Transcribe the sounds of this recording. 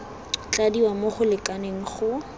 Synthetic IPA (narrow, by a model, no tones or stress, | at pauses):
t͡ɬadiwamoχʊlɪkʼaneŋ̩χʊ